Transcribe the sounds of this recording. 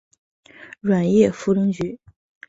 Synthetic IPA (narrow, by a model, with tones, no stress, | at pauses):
ɻwa˨˩njɛ˥˩fu˧˥t̪ʊ˥ŋt͡ɕy˧˥